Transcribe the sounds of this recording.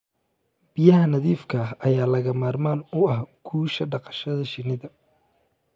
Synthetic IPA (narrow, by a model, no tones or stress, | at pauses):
b̥ɪjɐɦɐnɐðiːfkʰɐɦɐjaːlɐɣɐmaːrmaːnʊɐhkʰuːʃɐɖɑqɑ̥ʃɐðɐʃɪnɪðɐ